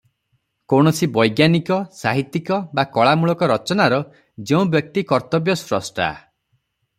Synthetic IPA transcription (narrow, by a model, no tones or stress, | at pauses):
koɽ̃ɔsibɔjɡjanikɔsaɦit̪ːikɔbakɔɭamuɭɔkɔɾɔt͡ʃɔnaɾɔ | d͡ʒeũbjɔk̚t̪ikɔɾt̪ɔbjɔsɾɔsʈa̰